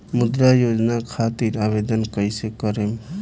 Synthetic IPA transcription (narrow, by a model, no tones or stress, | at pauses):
mud̪ɾajod͡ʒnakʰat̪iɾaβed̪ənkəjsekəɾem